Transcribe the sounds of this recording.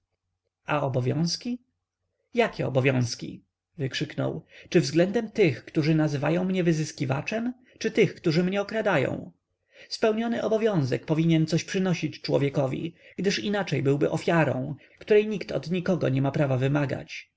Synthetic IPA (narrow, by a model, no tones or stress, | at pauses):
aɔbɔvʲjɔ̰̃w̃skʲi | jakʲɛɔ̰bɔvʲjɔ̃w̃skʲḭ | vɘkʂɘknɔ̰wt͡ʂɘvzɡlɛnd̪ɛmt̪ɘxkt̪uʐɘnazɘvajɔ̃w̃mɲɛvɘzɘskʲiva̰t͡ʂɛm | t͡ʂɘt̪ɘxkt̪uʐɘmɲɛɔkɾad̪ajɔ̰̃w̃ | spɛwɲɔnɘʔɔbɔvʲjɔ̃w̃zɛk̚pɔvʲiɲɛnt̪sɔɕpʂɘnɔɕit͡ɕt͡ʂwɔ̰vʲjɛkɔvʲḭɡd̪ɘʂinat͡ʂɛjbɘwbɘʔɔfʲjaɾɔ̰̃w̃ | kt̪uɾɛjɲikt̪ɔ̰d̪ɲikɔɡɔ̰ɲɛmapɾavavɘmaɡa̰t͡ɕ